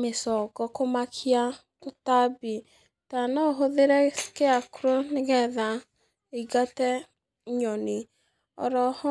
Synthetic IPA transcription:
mesɔɡɔkomakʰia | totabi | tanɔɦoðeɾɛkeakuɾoneɣɛða | iɡatɛ | ɲɔne | ɔ̰ɾɔhɔ

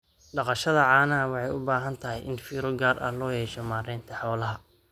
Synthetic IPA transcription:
ɖɑqɑʃɐðɐʕɑːnɐɐwɑħɑjʊbaːɦɐnt̪ʰɐɦɛjʔɪnfiːɾɔɡaːrʔɐ̰hlɔːjɛːʃɔmaːɾɪːnt̪ʰɐħɔːlɐɦɐ

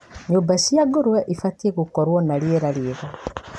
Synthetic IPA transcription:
ɲuːmbasiaɡoɾwɛʔifatieɣukɔɾwɔnalieɾalieɣa

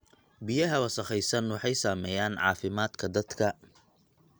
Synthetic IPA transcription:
bɪjɐɦɐwɐsɐχɛjsɐnwɑħɑjsaːmɛːjaːnʕɑ̰ːfɪmaːd̪kʰɐd̪ɐd̪̥kʰɐ

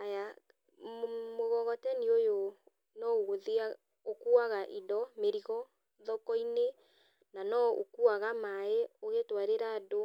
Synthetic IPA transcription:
aja | moɣɔɣɔtɛniojo | nɔwoðia | okuaɣaʔidɔmeɾiɣɔ | ðɔkɔine | nanɔo̰kuaɣamaeoɣetwaɾeɾaːdo

